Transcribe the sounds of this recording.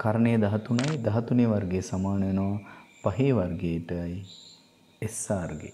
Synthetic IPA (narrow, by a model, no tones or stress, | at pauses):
kɐɾənejd̪ɐɦɐt̪unɐjd̪ɐɦɐt̪uneʋɐɾɡeːsɐmaːnɐʋenoʋɐpɐɦeːʋɐɾɡeːʈəj | esaːɾɡḛ